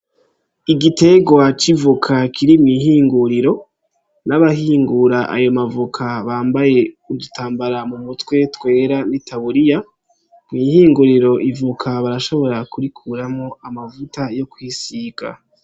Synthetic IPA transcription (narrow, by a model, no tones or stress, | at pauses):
iɡite̞ɡwat͡ʃivukʰakʰiɾimŋiːɦiːŋɡuɾiɾo̞ | naβaɦiːŋɡuɾaʔa̰jo̞mavukʰaβaːmbaje̞ | udutaːmbaɾamumutwe̞twe̞ːɾanitʰaβuɾija | mŋiːhiːŋɡuɾiɾo̞ʔivukʰaβaɾaʃo̞βo̞ɾakuɾikʰuɾamŋo̞amavutajo̞kwiːsiɡa̰